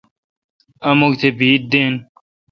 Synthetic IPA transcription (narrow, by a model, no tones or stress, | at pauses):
ɐmoɡt̪ʰebʱiːʈ̚d̪eːn